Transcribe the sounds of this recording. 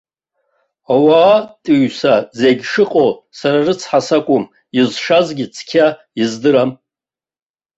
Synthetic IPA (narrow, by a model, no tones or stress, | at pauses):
awaːtʼiɥsazeɡʲʂɨqʼosaɾarɨt͡sʰħasakʷʼʊm | izʂazɡʲɪt͡sʰkʲʰa | izdɨɾam